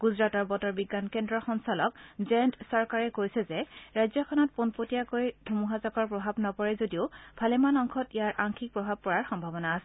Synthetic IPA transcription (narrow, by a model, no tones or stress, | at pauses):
ɡ̥uzɹatɔɹbɔtɔɹbiɡːankendɹɔxɔnsɔlɔkzɛntsɔɹkaɹɛkojsɛzɛɹajzɔkʰɔnɔt̚punpotijakojdʱumuɦazɔkɔɹpɹɔbʱabnɔpɔɹɛzodiʊbʱalɛmanɔŋkʰɔtijaɹʔaŋkʰik̚pɹɔbʱab̚pɔɹaɹxɔmbʱabɔnaːsɛ